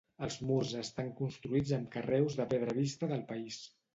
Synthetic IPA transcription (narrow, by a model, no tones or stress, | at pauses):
əlˠzmurzəst̪aŋkunst̪ɾuid͡zəmkərɛwzðəpeðɾəβ̞ist̪əðəlˠpəis